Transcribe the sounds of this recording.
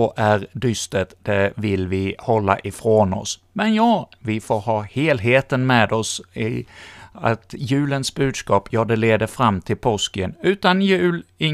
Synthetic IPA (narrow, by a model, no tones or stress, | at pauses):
ɔʔæɾd̪ʏst̪ət̪d̪̥ɛvɪlvɪhɔlːa̰ʔɪfɾonɔ̰s | mɛnjɑːvɪfoːɾhɑːheːlɦeːt̪ənmɛd̪ɔsɪ | a̰t̪jʉ̟ːlənsbʉ̟ːd̪skɑːpʰjɑːd̪ɛleːd̪əɾfɾamːt̪ʰɪlpʰɔskənʉ̟ːt̪anjʉ̟ːlɪ